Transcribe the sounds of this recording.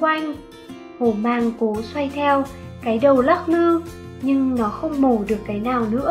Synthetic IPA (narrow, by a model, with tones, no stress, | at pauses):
wa˧jŋ̟ | ho˧˩maː˧˩ŋko˨˦swa˧jt̪ʰɛ˧wkaː˨˦jɗə˨˩wla˦˥t̚mɨ˧ | ɲɨ˧ŋnɔ˨˦xə˧wŋ͡mmo˧˩ɗɨ˨˩əkːaː˨˦jnaː˨˩wnɨ̰˧˥ə